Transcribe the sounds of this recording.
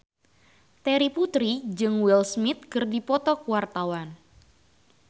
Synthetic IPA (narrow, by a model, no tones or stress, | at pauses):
t̪ɛɾiput̪ɾid͡ʒɨŋwilsmɪt̪̚kərdipɔt̪ɔkuwart̪awan